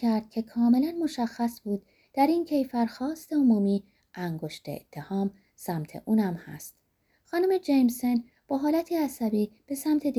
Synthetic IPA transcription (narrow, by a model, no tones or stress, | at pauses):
æɾd̪̥̚cʰe̞kʰɒːme̞lænmo̞ʃæxːæsbuːd̪̚ | d̪̥æɾiːncʰe̞jfæɾxɒːst̪e̞omuːmiː | ʔæŋɡo̞ʃt̪ḛḛt̪ʰːe̞hɒːm | sæmt̪ʰe̞̰ʔuːnæmhæ̰st̪ | xɒːnume̞d͡ʒejmse̞n | b̥ɒːɦɒːlæt̪ʰiæsæbiːb̥e̞sæmt̪ʰe̞d̪